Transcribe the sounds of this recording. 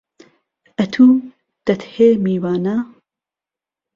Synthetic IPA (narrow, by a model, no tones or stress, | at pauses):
ɐt̪ʰuː | d̪̥ɐt̪heːmiːwaːna